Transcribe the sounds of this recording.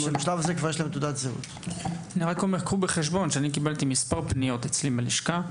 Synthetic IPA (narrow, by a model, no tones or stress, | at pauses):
miʃlavazekvaʁjɛʃlemet̪ud̪at̪zeṵt̪aniʁakomeʁkʁubeχeʃ̬bo̞nʃeanik̬ibalt̪imispaʁpnijo̞t̪et͡slimaliʃka